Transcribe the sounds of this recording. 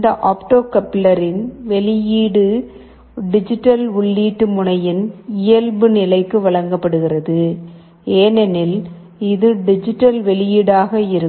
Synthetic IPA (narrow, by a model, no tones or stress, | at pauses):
ɪnd̪ɐʔaːpʈoːkɐpːɪlɐɾɪnʋɛɭɪjiːɽɯ | ɖɪd͡ʒɪʈːɐlʊɭːiːʈːɯmʊɳɐjɪnɪjɐlbɯnɪlɐɪkːɯʋɐɭɐŋɡɐpːɐɽɯɣɪrɐðɯ | eːnɛnɪl | ɪðɯɖɪd͡ʒɪʈːɐlʋɛɭɪjiːɽaːɣɐɪɾɯ